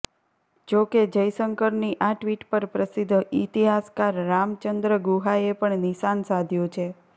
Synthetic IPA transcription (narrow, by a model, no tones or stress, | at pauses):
d͡ʒoked͡ʒəjsəŋkəɾniʔaʈʋiʈpəɾpɾəsid̪ʱːit̪iɦaskaɾːamt͡ʃənd̪ɾəɡuɦaepəɳniʃansad̪ʱjot͡ʃʰe